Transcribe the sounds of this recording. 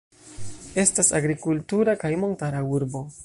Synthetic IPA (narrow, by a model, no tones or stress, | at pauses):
e̞stasaɡɾikultuɾakajmo̞ntaɾauɾbo̞